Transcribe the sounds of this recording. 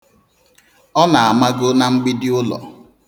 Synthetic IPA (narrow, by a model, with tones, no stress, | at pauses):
ɔ˦na˨a˨ma˦ɡʊ˦na˨ŋ͡m̩˦ɡ͡bi˦dɪ˦ʊ˦lɔ̰˨